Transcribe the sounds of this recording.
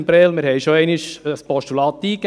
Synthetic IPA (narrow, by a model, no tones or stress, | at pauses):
mpɾɛlmɪɾhɛɪʃoɛɪnɪʃəspɔʃtulɑːt̪ːiːk